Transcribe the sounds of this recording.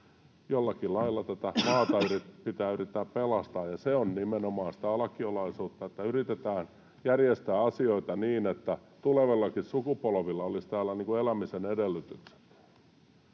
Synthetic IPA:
jolːɑkilɑilːɑt̪æt̪æmɑːt̪ɑyripit̪æːyrit̪ːæːppelɑst̪ɑːjɑseonnimenomɑːnsi̥t̪æɑlɑkiolɑisuːt̪ːɑet̪ːæyrit̪et̪æːn | jærjest̪æːɑsioit̪ɑniːnet̪ːæt̪uleʋelːɑkissukupolʋilːɑolist̪æːlːæniːŋkuelæmisenedelːyt̪ykse̥t̪

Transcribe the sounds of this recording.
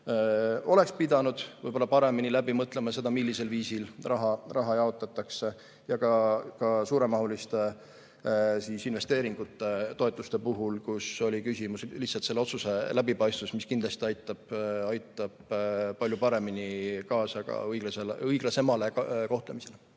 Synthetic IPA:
o̞le̞kspid̪ɑnud̪̥vɯ̰jbo̞lːɑpɑɾe̞minilæbimɤt̪ːˑlemɑse̞d̪̥ɑmilːise̞lviːsilrɑɦɑrɑɦɑjɑo̞t̪ːˑɑt̪ːˑɑkse̞ | jɑkɑkɑsuːɾe̞mɑɦulist̪e | siːsinve̞st̪e̞ːɾiŋɡ̥ut̪ːˑet̪o̞e̞t̪ˑːust̪e̞puɦulkuso̞lʲikysimusliht̪sɑlt̪se̞lːo̞t̪suse̞læbipɑjst̪vusmiskind̪lɑst̪iɑjt̪ːˑɑb̥ɑjt̪ːˑɑb̥pɑlʲjupɑɾe̞minikɑːsɑkɑ̰ɯjɡleselɯjɡ̥lesemɑleko̞ht̪le̞mise̞le

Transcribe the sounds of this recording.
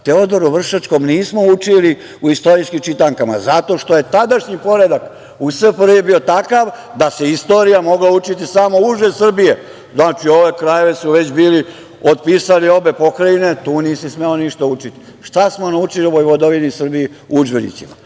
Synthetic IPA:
t̪eod̪oɾuʋr̩ʃat͡ʃko̞mniːsmo̞ut͡ʃili | uist̪oɾiskimt͡ʃit̪aŋkama̰zat̪o̞ʃt̪o̞je̞t̪ad̪aʃɲipo̞ɾe̞d̪ak | usepɾebiot̪akaʋ | d̪ase̞ist̪o̞ːɾijamo̞ɡlaut͡ʃit̪isamo̞uʒesr̩bije | znaːt͡ʃio̞ʋe̞kɾaje̞ʋe̞suʋe̞t͡ɕbiːli | od̪̚piːsalio̞be̞po̞kɾaine̞t̪uːniːsismeoniʃt̪aut͡ʃit̪i̥ | ʃt̪asmo̞naut͡ʃilioojʋod̪oʋinisr̩bii | uud͡ʒbenḭtsima̰

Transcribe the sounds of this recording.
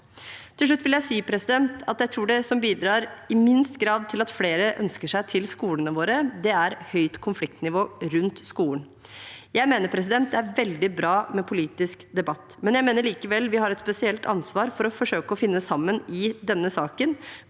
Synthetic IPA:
t̪ʰɪlʂɭʉt̪ːʋɪljæɪsiːpʰɾɛsɪd̪ɛnt̪ɑt̪jæɪt̪ʰɾuːɖɛsɔmbiːd̪ɾɑːɾɪmɪnst̪ɡɾɑːd̪̚t̪ʰɪlɑt̪fleːɾəʔœ̰nskəʂæɪt̪ʰɪlskuːlənəʋoːɾəd̪ɛæɾhœʏt̪kʰʊnflɪk̚t̪nɪʋoːɾʉnt̪skuːlən | jæɪmeːnəɾpʰɾɛs̬ɪd̪ɛnt̪d̪ɛæɾʋɛld̪ɪbɾɑːmɛpʰʊliːt̪ɪskd̪ɛbɑt̪ːmɛnjæɪmeːnəɭiːkəʋɛlːʋɪhɑɾɛt̪spɛsɪɛlt̪ʰɑ̰nsʋɑːɾfɔɾɔfɔʂøːkəɔfɪnːəsɑmːənɪd̪ɛnːəsɑːkən

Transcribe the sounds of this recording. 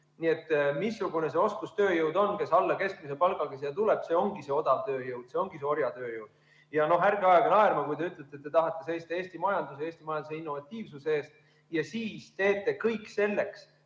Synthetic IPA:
nie̞t̪ːˑmisːuɡ̥une̞se̞o̞skust̪ø̞ːjɨwd̪o̞nke̞sɑlːɑke̞skmisepɑlɡɑkes̬jɑt̪uleb̥se̞o̞ŋɡ̥ise̞o̞d̪ɑt̪ø̞ːjɯwd̪̥se̞o̞ŋɡ̥iseo̞ɾjɑt̪øːjɯwd̪̥̚ | jɑno̞ɦærɡ̥eɑjɑɡɑnɑeɾmɑkujt̪e̞yt̪ːˑlet̪ːˑet̪ːet̪ɑɦɑt̪ˑːe̞se̞jst̪ɑe̞ːst̪imɑjɑnd̪useeːst̪imɑjɑnd̪useinːo̞vɑt̪ʲˑːiːvsusee̞ːst̪ | jɑsiːst̪e̞ːt̪ːˑe̞kɤjkːse̞lːe̞ks

